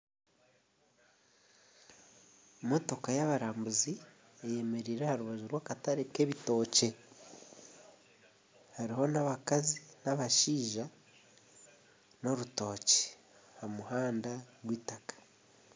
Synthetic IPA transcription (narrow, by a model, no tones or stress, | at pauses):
mo̞to̞kajaβaɾaːmbuzi | eje̞me̞ɾiːɾehaɾuβaʒuɾwaːkataɾeke̞βito̞ːce̞ | haɾiho̞naβakazinaβaʃiːʒa | no̞ɾuto̞ːce̥ | hamuhaːndaɡwiːtakḁ